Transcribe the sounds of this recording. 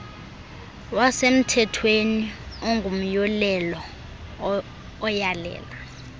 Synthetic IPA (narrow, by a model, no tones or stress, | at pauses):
wasem̩tʰɛtʰwenioŋɡʱum̩jɔlɛlɔ | jalɛ̰ːla